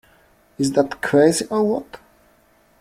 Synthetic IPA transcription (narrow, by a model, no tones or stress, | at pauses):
ɪzðətkʰɹeɪziʔə˞wɔt